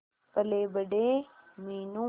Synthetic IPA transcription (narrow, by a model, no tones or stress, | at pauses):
pəleːbəɖeːmiːnũː